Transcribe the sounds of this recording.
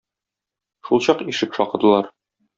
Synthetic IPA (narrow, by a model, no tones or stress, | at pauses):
ʃulˠɕɒqiʃɘpʃɒqɤ̆d̪ɤ̆lˠɑɾ